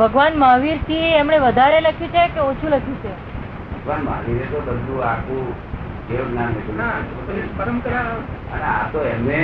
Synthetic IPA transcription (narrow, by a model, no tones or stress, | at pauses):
bʱəɡʋanmaːʋiɾt̪ʰiɛmɳeʋəd̪ʱaɾeləkʰjũt͡ʃʰekeot͡ʃʰuləkʰjũt͡ʃʰe | bbʱəɡʋanma̰ʋiɾet̪od̪ənd̪ũakũ | d͡ʒeɾoɡnanled͡ʒua | ɾispəɾəmkəɾaaə̰nea̰t̪oɛme